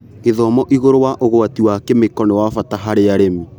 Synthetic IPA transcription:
eðɔmɔʔiɣoɾowaʔoɣoatiwakemekɔnewafataɦaɾeaɾemi

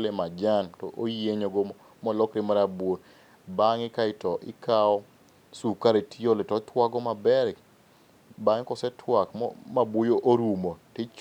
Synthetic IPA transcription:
lemad͡ʒantɔʔojeɲoɡɔmɔ | mɔlɔkɾɪmaɾabwon | baŋɪkaɪtɔʔɪ̰kaɔ | sukaɾetioletɔt̪ʰwaɡɔmabɛɾk | baŋkɔsɛtʰwakmɔ̰mabwojoʔoɾumotet͡ʃ

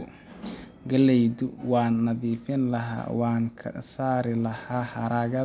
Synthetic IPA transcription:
ɡɐlɛjdʊwɑːnːɐðiːfɪnlɐɦa̰ːwɑːŋkʰɐ̰saːɾɪlɐhaːhɐɾaːɣɐ

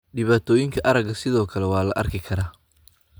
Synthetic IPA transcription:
ɖɪβaːt̪ʰɔːjɪŋkʰɐʔɐɾɐɡɐsɪðɔːkʰɐlɛwɑːlɐ̰ʔɐ̰rkʰɪkʰɐɾaː

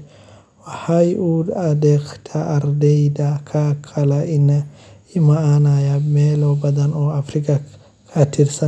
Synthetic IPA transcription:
wɐhajʔuːd̪ɐd̪ɛkt̪ʰɐːɾd̪ɛjd̪ɐkʰakʰɐlɐʔɪnɐ | ɪmɐanajɐmeːlɔbɐd̪ɐnɔːɐfɾɪkɐ | kʰɐt̪ʰɪɾsɐ

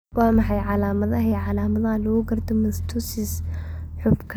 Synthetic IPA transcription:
waːmɑħɑjʕɑlaːmɐðɐɦɛʕɑlaːmɐðɐɐlʊɣʊɡɐrd̪ɔmɪst̪ʰʊsɪsħʊbkʰ

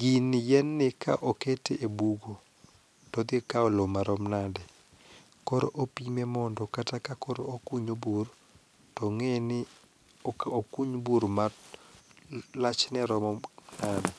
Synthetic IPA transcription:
ɡɪnjɛnːɪka̰ʔoketeʔebuɡo | tɔd̪ɪekaɔlomaɾɔmnadɛ | kɔɾ̰ʔopimɛmɔndɔkatakakɔɾokuɲobur | tɔŋenɪ | okuɲbuɾma | lat͡ʃnɛɾɔmɔnadɛ

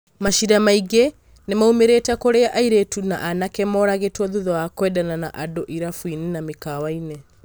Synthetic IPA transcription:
maʃiɾamaiɣe | nemaumeɾeːtakoɾeaʔaiɾetuna̰ʔanakɛmɔɾaɣetwɔðuðɔakwɛdanana̰ʔadoʔiɾafwininamekawaine

